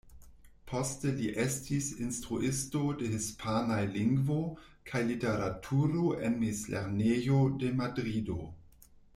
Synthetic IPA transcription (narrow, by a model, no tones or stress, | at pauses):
pʰosteliʔestʰisinstɾuʔisto̞dehispʰanajliŋɡvo | kʰajliteɾatʰuɾoʔenmislḛɾnejodemadɾido̰